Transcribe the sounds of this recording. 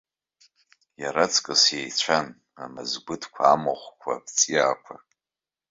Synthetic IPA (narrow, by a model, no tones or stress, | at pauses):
jaɾat͡sʰʼkʼɨsjejt͡ɕʷʰan | amazɡʷʊdʰkʷʰaamoχʷkʷʰa̰pʰʼt͡sʼijaːkʷʰa